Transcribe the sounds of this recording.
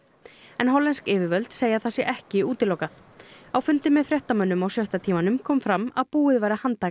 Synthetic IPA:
ɛnɦɔlːɛnskɪːvɪvœlt̪seːjaθasjɛʔɛhcɪuːt̪ɪlowkaθ | awfʏnt̪ɪmːɛðfɾjɛht̪amœnːʏmawsjœht̪at̪ʰiːmanʏmkʰɔːmfɾamaðpuːɪðvajɾahant̪a

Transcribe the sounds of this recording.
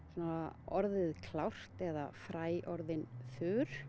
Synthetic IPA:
sanaɔɾðɪðkʰlawr̥t̪ɛða̰fɾaːjʔɔɾðɪnfʏːɾ̥

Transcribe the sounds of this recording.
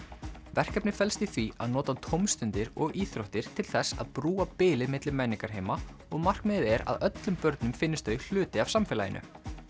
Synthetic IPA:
vɛr̥kɛpnɪ̥fɛlst̪iθvia̰ðnɔːt̪at̪ʰowmst̪ʏnt̪ɪɾɔɣiːθɾowht̪ɪɾ̥t̪ʰɪlθɛsa̰ðpɾuːapɪːlɪðmɪt̪lɪmɛnːiŋkaɾhɦejma | ɔɣmar̥kmɪðɪðɛɾa̰ðœt̪lʏmpœɾt̪nʏmfɪnːɪst̪œl̥ʏːt̪ɪavsamfɪːlajɪ̰nʔʏ̰

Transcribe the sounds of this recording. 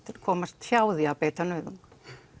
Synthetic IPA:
t̪ɪɾkʰɔːmast̪fjaːwðiapɛːt̪anœːðʏŋk

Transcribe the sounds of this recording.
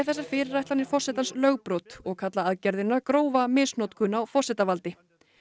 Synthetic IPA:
θɛsːaɾ̥fɪːɾɪrːajht̪anɪ̥fɔr̥sɛt̪anslœɣpɾowt̪ɔɣkʰat̪laaðcɛɾðɪnːaɾkɾoːwvamɪːsnɔt̪kʰʏnawfɔr̥sɛːt̪avalt̪ɪ

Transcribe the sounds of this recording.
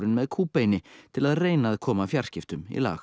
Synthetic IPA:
ɾɪnmɛðkʰuːpejnɪt̪ʰɪlaðreːjnaðkʰɔːmafjar̥scɪft̪ʏmḭla̰ːx

